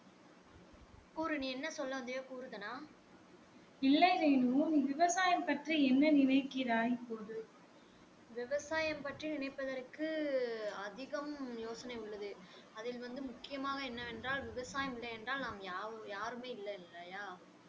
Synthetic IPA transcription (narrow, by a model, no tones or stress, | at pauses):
kuːɾɯniɛnːɐsɔlːɐnd̪ɐjaːkuːɾɯðɐnaː | ɪlːɐɪleːnuniːʋɪʋɐsaːjɐmpɐʈriɛnːɐnɪnɐɪkːɪɾaːjipːoːðɯ | ʋɪʋɐsaːjɐmpɐʈrinɪnɐɪpːɐðɐɾkːɯ | ɐðɪɣɐmjoːsɐnɐɪʊɭːɐðɯ | ɐðɪlʋɐnd̪ɯmʊkːɪjɐmaːɣɐɛnːɐɛndraːlʋɪʋɐsaːjɐmɪlːɐɛndraːlnaːmjaːjaːɾɯmeːɪlːɐlːɐjaː